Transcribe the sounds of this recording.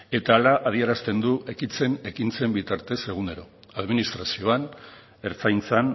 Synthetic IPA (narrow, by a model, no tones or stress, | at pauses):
e̞t̪aːlaʔað̞ie̞ɾast̪e̞nd̪uʔe̞kit͡se̞ne̞kint͡se̞mbit̪aɾt̪e̞se̞ɣ̞une̞ɾo̞̰ | aðminist̪ɾasio̞an | e̞ɾt͡sajnt͡san